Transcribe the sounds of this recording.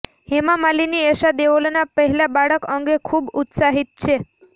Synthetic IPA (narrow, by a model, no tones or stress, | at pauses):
hemamalinieʃad̪eʋolnapəɦɛlabaɽəkəŋɡekʰubut̪saɦit̪̚t͡ʃʰe